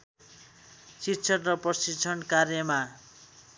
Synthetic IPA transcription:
sitːsʰʌnrʌprʌsit͡sʰʌnkarjʌma

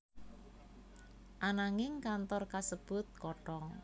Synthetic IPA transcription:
ʔanaŋɪŋkant̪ɔrkasəb̥ʊt̪̚kɔʈɔŋ

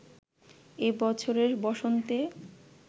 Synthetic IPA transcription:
ebɔt͡ɕʰoɾeɾbɔʃont̪e

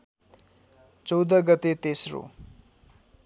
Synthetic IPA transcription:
t͡sʌwd̪ʌɡʌt̪et̪esro̰

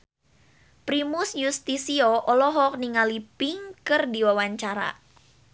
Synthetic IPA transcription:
pɾimʊsjust̪isioʔɔlɔɦɔk̚niŋalipɪŋkɨrdiwawaɲt͡ʃaɾa̰

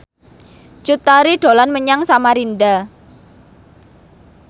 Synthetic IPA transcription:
t͡ʃut̪aɾiɖ̥o̤lanməɲaŋsamaɾinɖa

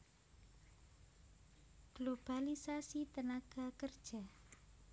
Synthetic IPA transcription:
ɡ̥lob̥alisasit̪ənaɡ̥akərd̥ʒ̥a̤

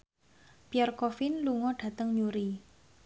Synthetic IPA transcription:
piarkofɪnluŋɔɖ̥a̤t̪əŋɲuɾi

